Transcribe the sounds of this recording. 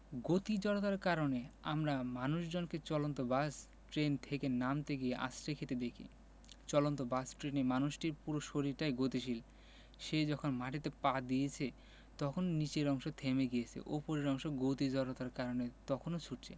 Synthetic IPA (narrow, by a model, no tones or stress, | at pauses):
ɡot̪id͡ʑɔɾot̪aɾkaɾoneamɾamanuʃd͡ʑonket͡ɕɔlont̪obas | ʈɾent̪ʰekenamt̪eɡieʔa̰sɾekʰet̪ed̪ekʰḭ | t͡ɕɔlont̪̬obasʈɾenemanuʃʈiɾpuɾoʃoɾiɾʈajɡot̪iʃ̬il | ʃed͡ʑɔkʰonmaʈit̪epad̪ijet͡ɕʰe | t̪ɔkʰononit͡ɕeɾɔŋʃot̪ʰemeɡijet͡ɕʰḛʔopoɾeɾɔŋʃoɡot̪id͡ʑɔɾot̪aɾkaɾonet̪ɔkʰonot͡ɕʰuʈ̚t͡ɕʰe